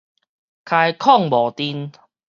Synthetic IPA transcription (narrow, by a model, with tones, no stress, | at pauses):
kʰa˧jkʰɔ˥˨ŋbɔ˨˩t̪i˧n